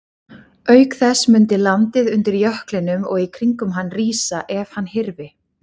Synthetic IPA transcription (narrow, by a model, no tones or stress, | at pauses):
œːɥkθɛsmʏnt̪ɪlant̪ɪðʏnt̪ɪɾjœhklɪnʏmɔɣikʰɾiŋkʏmɦanːriːsaʔɛv̥hanːhɪɾvɪ